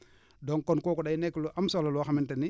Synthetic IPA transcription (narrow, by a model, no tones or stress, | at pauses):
dɔŋkɔnkɔːkuɗajnɛkːluʔamsolalwaxamɪntɛni